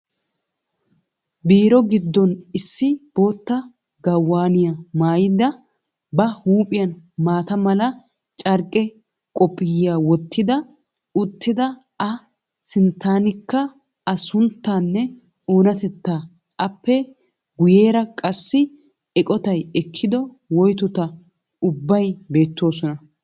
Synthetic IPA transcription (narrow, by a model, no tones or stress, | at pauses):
biːɾɔɡɪd̪ːɔnɪsːɪb̥o̞ːt̪ːɐ | ɡɐwːaːnɪjɐmaːjɪd̪ɐ | bɐhuːpʼɪjɐnmaːt̪ɐmɐlɐ | t͡ʃʼɐɾkʼːɛ | kʼɔpʼːɪjːaːwɔt̪ːɪd̪ɐ | ʊt̪ːɪd̪ɐ | ɐ | sɪnt̪ːaːnɪkːɐ | ɐsʊnt̪ːaːnːɛ | oːnɐt̪ɛt̪ːaː | ɐpːɛ | ɡʊje̞ːɾɐkʼɐsːɪ | ɛkʼɔt̪ɐjɛkʰːɪd̪ɔ | wɔjt̪ʊt̪ɐ | ʊbːɐjbe̞ːt̪ːo̞ːsɔnɐ